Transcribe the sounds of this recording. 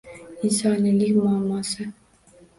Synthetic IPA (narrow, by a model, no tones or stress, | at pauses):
insɑnilikʲmɑlˠmɑsə̆